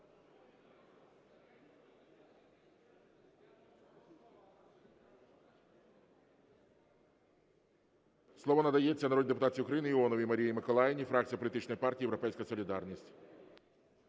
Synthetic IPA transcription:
sˠɔʋɔnɐd̪ɐjet͡sʲːɐnɐɾɔd̪ʲid̪epʊt̪ɑt͡sʲiʊkɾɐjinɪɪɔnɔʋʲimɐɾʲijimɪkɔlˠajɪnʲifɾɑk̚tʲt͡sʲijɐpɔlʲit̪ɪt͡ʃnɔjpɑrtʲiːjeɾɔpɛjsʲkɐjɐsɔlʲiɪd̪ɑrnʲisʲtʲ

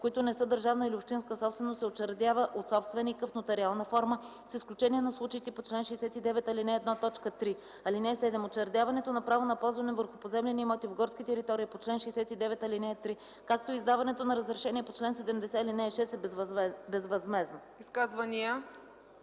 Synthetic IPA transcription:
koit̪onɛsɤd̪əɾʒavnəiliʊfʃt̪inskəsɔpst̪vɛnost̪sɛot͡ʃɛɾd̪ʲavəʔot̪sɔpst̪vɛnikəfnot̪ɛɾialˠnəfɔɾmə | sisklʲut͡ʃɛniɛnɐslˠut͡ʃəit̪ɛpot͡ʃlɛnʃɛjsɛt̪id̪ɛvɛt̪ɐlinɛːd̪nat̪ɔt͡ʃkət̪ɾi | ɐlinɛːsɛd̪ɛmot͡ʃɛɾd̪ʲavɐnɛt̪onɐpɾavonɐpɔzvɐnɛvəɾxʊpozɛmlʲɛniːmɔt̪ivɡɔɾskʲit̪ɛɾit̪ɔɾiːpot͡ʃlɛnʃɛɛsɛt̪id̪ɛvɛt̪ɐlinɛt̪ɾi | kak̚t̪oizd̪avɐnɛt̪onɐɾəzɾɛʃɛniɛpot͡ʃlɛnsɛd̪ɛmd̪ɛsɛilinɛʃɛsɛbbɛzvɐzmɛzno | iskazvɐnijə

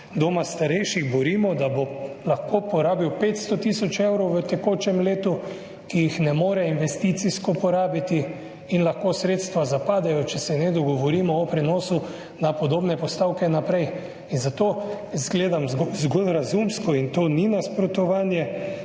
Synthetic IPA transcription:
d̪omast̪aɾɛjʃiɣbɔɾiːmɔd̪abolaxkopɔɾaːbiwpeːt̪st̪ɔt̪isɔt͡ʃewɾɔwʋət̪ɛkoːt͡ʃɛmleːt̪u | kijixnɛmoːɾɛinʋɛst̪it̪siskɔpɔɾaːbit̪i | inlaxkoːsɾeːt̪st̪ʋazapaːd̪ɛjɔt͡ʃɛsɛnɛd̪ɔɡɔʋɔɾiːmɔːpɾɛnɔːsu | napɔd̪oːbnɛpɔst̪aːwkɛnapɾɛj | inzat̪oː | zɡleːd̪amzɡolɾazumskɔint̪oːninaspɾɔt̪ɔʋaːnjɛ

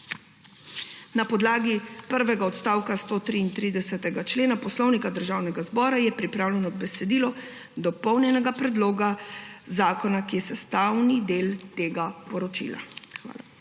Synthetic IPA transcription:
napɔd̪laːɡipəɾʋɛɡaɔt̪st̪aːwkast̪oːt̪ɾiːnt̪ɾid̪ɛsɛt̪ɛɡat͡ʃleːnapɔslɔwnikad̪əɾʒaːwnɛɡazbɔːɾajɛpɾipɾaːwlɛnɔbɛsɛd̪iːlɔ | d̪ɔpɔwnjɛnɛɡapɾɛd̪loːɡazaːkɔnakijɛsɛst̪awnid̪eːlt̪eːɡapɔɾɔt͡ʃḭla̰xʋa̰ːla

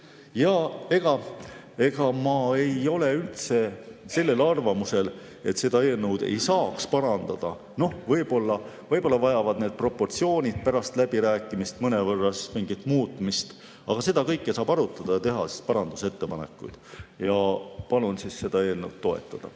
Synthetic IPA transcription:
jɑːe̞ɡ̥ɑ | e̞ɡ̥ɑmɑe̞jo̞le̞ylt̪se̞se̞lːe̞lɑrvɑmuse̞l | e̞t̪se̞d̪ɑeːlnəwd̪̥e̞̰jsɑːkspɑɾɑnd̪̥ɑd̪̥ɑ | no̞hvɤjbo̞lːɑ | vɤjbo̞lːɑvɑjɑvɑd̪̥neːd̪̥̚pro̞pːo̞rt̪sio̞ːnʲid̪̥̚pæɾɑst̪læb̥iɾæːkˑːimist̪mɤnevɤrːɑsmiŋɡit̪ːmuːt̪ːˑmist̪ | ʔɑ̰ɡ̥ɑse̞d̪ɑkɤjkˑːesɑːbɑɾut̪ːˑɑd̪̥ɑjɑt̪e̞ɦɑsi̥spɑɾɑnd̪̥use̞t̪ːe̞pɑne̞̰kːˑṵjd̪̥jɑpɑlunsisːe̞d̪ɑe̞ːlnəwd̪̥t̪ːo̞e̞̰t̪ːˑɑd̪̥ɑ̰

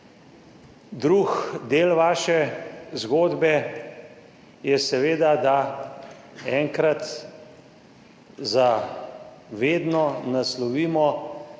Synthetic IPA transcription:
d̪ɾuxd̪eːlʋaːʃɛzɡoːd̪bɛ | jɛsɛʋeːd̪ad̪a | ɛːŋkɾat̪ | za | ʋeːd̪nɔnaslɔʋiːmɔ

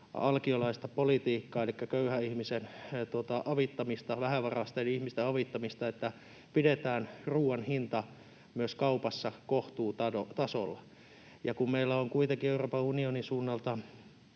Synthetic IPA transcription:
ɑ̰lkiolɑist̪ɑpolit̪iːkːɑːelikːækøyhæihmisent̪uot̪ɑʔɑʋit̪ːɑmist̪ɑʋæhæʋɑrɑst̪enihmist̪eɑʋit̪ːɑmist̪ɑet̪ːæ | pidet̪æːnruːɑnhint̪ɑ | myøskɑupɑsːɑkoht̪uːt̪ɑdot̪ɑso̰lːɑ̰ | jɑkummeilːæoŋkuit̪eŋkieuroːpɑunionisuːnːɑlt̪ɑ

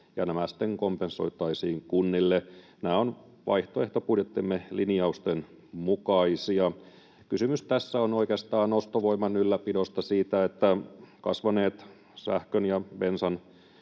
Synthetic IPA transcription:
jɑnæmæsi̥t̪ːeŋkompenso̞̰it̪ɑisiːŋkunːilːe | næːon | ʋɑ̰iht̪oeht̪opudjet̪ːimːeliniɑust̪oen | mukɑisiɑ | kysymyst̪æsːæonoikeɑst̪ɑːnost̪oʋoimɑnylːæpidost̪ɑsiːt̪æet̪ːækɑ̰sʋɑneːt̪ | sæ̰hkønjɑʋensɑn

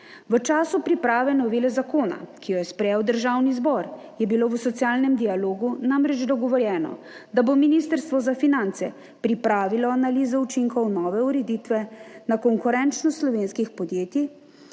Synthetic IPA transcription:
ʋət͡ʃaːsupɾipɾaːʋɛnɔʋeːlɛzakoːna̰kijɔjɛspɾɛjɛwd̪əɾʒaːwnizbɔɾ | jɛbiloːʋəsɔt̪sijaːlnɛmd̪ijaloːɡunamɾɛd͡ʒd̪ɔɡɔʋɔɾjɛːnɔ̰ | d̪abominiːst̪əɾst̪ʋɔzafinant̪sɛ | pɾipɾaːʋilɔanalizɔut͡ʃiŋkɔwnɔːʋɛuɾɛd̪it̪ʋɛnakɔŋkuɾɛnt͡ʃnɔslɔʋeːnskixpɔd̪jeːt̪i

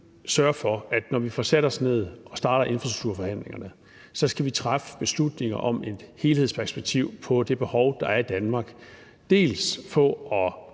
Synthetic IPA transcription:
sɶɐfɒ̽æd̥nɒʋifɒseɾɐɒ̽sne̝ð̞̰ˠʔɒ̽sd̥ɑ̈ːɾɐʔe̝nfʁɑsd̥uɡ̥̚t͡sʰuɐ̰fɒ̽hæn̰le̝ŋɐnə | sɒ̽sɡ̥æʋit͡sʰʁafə̥b̥e̝slud̥ne̝ŋɐʔɒ̽me̝d̥he̝ːlheðˠspʰæɐsb̥eɡ̥̚t͡sʰiʊ̰pʰɒ̽d̥e̝b̥e̝hɒʊd̥ɑ̈æɐid̥ænmɑ̈ːɡ̥ | d̥e̝̰ːlsfɒ̽ɒ̽

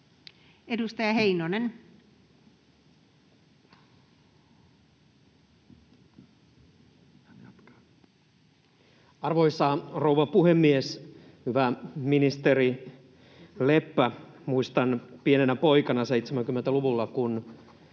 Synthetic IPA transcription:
edust̪ɑjɑɦeinonen | ɑrʋoisːɑrouʋɑpuhemːies | hyʋæminist̪eɾi | le̞pːæmuist̪ɑnpienenæpo̞ikɑnɑse̞ijt̪semæŋkymːent̪æluʋulːɑkun

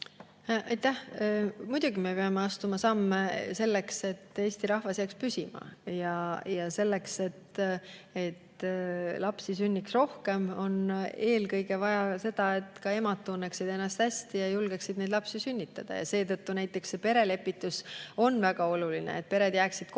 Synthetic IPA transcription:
ʔɑjt̪ːæhmud̪̥uɡimepeɑmeɑst̪umɑsɑmːese̞lːe̞kse̞t̪ːe̞ːsʲt̪iɾɑhvɑsjækspysʲimɑ̰jɑjɑse̞lːe̞kse̞t̪ | e̞t̪lɑpsisynʲːiksro̞hke̞mo̞ne̞ːlkɤ̞jɡe̞vɑjɑse̞d̪̥ɑe̞t̪ːˑkɑe̞mɑt̪ːunːeksid̪̥e̞nːɑst̪hæsʲt̪ijɑjulɡ̥eksid̪ned̪lɑpsisynʲːit̪ːˑɑd̪̥ɑ̰jɑ̰se̞ːt̪ɤt̪ːunæjt̪ːˑe̞ksːe̞pe̞ɾe̞le̞pːˑit̪ːˑuso̞nːvæɡ̥ɑo̞lulinḛet̪̚pe̞ɾe̞d̪̥jæːksid̪̥k

